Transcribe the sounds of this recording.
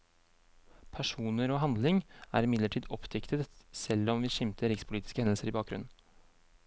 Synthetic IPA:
pʰæʂuːnəɾoːɦɑnd̪lɪŋæ̰ːɾɪmɪd̪ləʈʰiːd̪ɔpt̪ʰʏkt̪ət̪sɛlːɔmʋiːʃɪmt̪ʰəɾɪkspʰʊliːt̪ɪ̥skəhɛnəl̩səɾiːbɑːk̚ɡɾʉ̰nn̩

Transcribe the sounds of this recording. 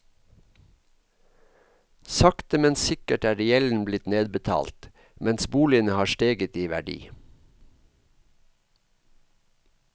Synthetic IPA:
sɑkt̪əmɛnsɪkəʈæːɾɛɛln̩blɪt̪neːd̪̚bət̪ʰɑ̰ːlt̪ | mɛnsbuːlɪənəhɑːʃʈeːɡət̪iːʋæ̰ɖḭː

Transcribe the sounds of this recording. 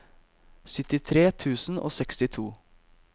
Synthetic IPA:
sʏt̪ɪt̪ʰɾeːt̪ʰʉːsn̩o̰ːsɛkst̪ɪt̪ʰuː

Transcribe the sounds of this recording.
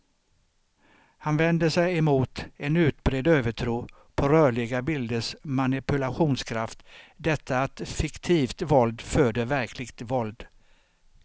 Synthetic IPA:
hanvɛnd̪əsɛjɛmuːt̪ɛnʉ̟ːt̪bɾeːd̪øːvəʈʰɾuː | pʰɔɾœːɭɪɡabɪld̪əʂmanɪpɵlaɧuːnskʰɾaft̪d̪ɛt̪ʰːaːt̪fɪkt̪ʰiːft̪vɔld̪føːɖ̪əvæɾkʰlɪɡt̪vɔld̪

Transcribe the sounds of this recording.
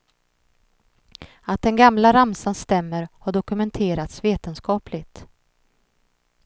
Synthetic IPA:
at̪̚d̪ɛnɡamlaɾamsanst̪ɛmːəɾhaɖɔkɵmɛnt̪ʰeːɾat̪sveːt̪ənskɑːplɪɡt̪

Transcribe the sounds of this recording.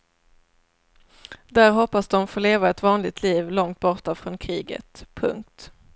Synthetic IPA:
d̪æɾɦɔpːasd̪ɔmfoːleːvaɛt̪vɑːnlɪt̪ʰliːvlɔŋt̪̚bɔʈːafɾɔnkʰɾiːɡə̰t̪pʰɵ̰ŋk̚t̪

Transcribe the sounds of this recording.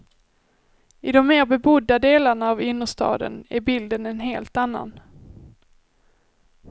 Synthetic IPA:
ɪd̪ɔmːeːɾbɛbʊd̪ːad̪eːlaɳaːvʏnːəʂt̪ɑ̰ːd̪ə̰næɾbɪld̪ənɛnɦeːlt̪anːa̰n

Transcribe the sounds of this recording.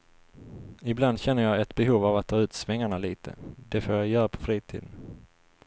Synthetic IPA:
ɪbland̪ɕɛn̪ːəjɑɛt̪bɛɦuːvavat̪ʰːɑːʉ̟ːt̪svɛŋːaɳaliːt̪ʰə̰d̪̥ɛfoːɾjajœːɾapʰɔ̥fɾiːt̪ʰḭːd̪ən

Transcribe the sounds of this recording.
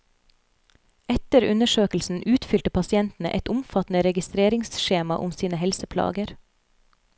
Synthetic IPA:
ɛt̪əɾʉnəʃøːklsn̩ʔʉːt̪fʏlt̪əpʰɑsɪɛnt̪n̩ə̰ʔɛt̪ʊmfɑt̪n̩əɾɛɡɪst̪ɾeːɾɪŋsʃeːmɑʔʊmsiːnəhɛlsəpʰlɑ̰ːɡəɾ

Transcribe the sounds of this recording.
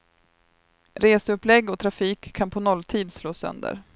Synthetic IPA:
ɾeːsəɵplɛɡːɔt̪ʰɾafiːkʰːanpʰɔnɔlːt̪ʰiːd̪sloːsœ̰nd̪ə̰ɾ

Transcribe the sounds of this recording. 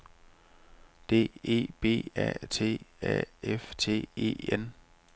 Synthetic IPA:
d̥e̝̰ːe̝̰ːb̥e̝̰ːɛ̰t͡sʰe̝̰ːɛ̰eft͡sʰe̝̰ːe̝̰ːen

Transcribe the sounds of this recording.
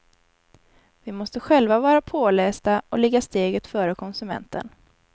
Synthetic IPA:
vɪmɔst̪əɧɛlvavɑːɾapʰoːlɛːsd̪aɔlɛɡːast̪eːɡət̪fœːɾəkʰɔnsɵmɛ̰nt̪ə̰n

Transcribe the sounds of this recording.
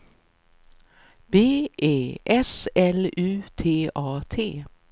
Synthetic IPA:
b̥eːʔeːʔɛsɛlʉːt̪ʰeːʔɑːt̪ʰeː

